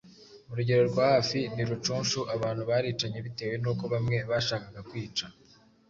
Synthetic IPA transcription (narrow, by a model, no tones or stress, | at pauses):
muɾuɟe̞ɾo̞ɾɡwaːhaːfiniɾut͡ʃuːnʃuʔaβaːn̥huβaːɾiːt͡ʃaɲe̞βite̞we̞nuko̞βamŋe̞βaʃaːkaɡakwiːt͡ʃa